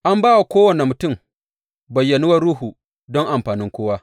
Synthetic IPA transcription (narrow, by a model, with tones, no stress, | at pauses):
ʔa˦mbaː˦wa˨kʷoː˦wɐ˨ne˨mʊ˨tʊ˦˨m | bɐ˨jːɐ˨nu˦wɐ˦ɽuː˦ɦu˨ | dɔ˦ŋʔa˨mɸaː˨nɪ˦ŋkʷoː˦waː˦